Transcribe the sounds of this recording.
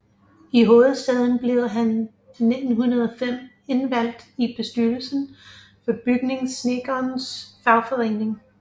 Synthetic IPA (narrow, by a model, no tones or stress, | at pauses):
iɦo̝ːð̩ˠsd̥ɛð̞ˠn̩b̥le̝ʊɦænː | e̝d̥n̩ɦunɐð̞ˠɒfem̰ | e̝nʋæl̰d̥ib̥e̝sd̥yɐl̩sən̩ | fɒ̽b̥yɡ̥ne̝ŋsne̝ɡ̥ɐːnsfɑ̈ʊfɒʁene̝ŋ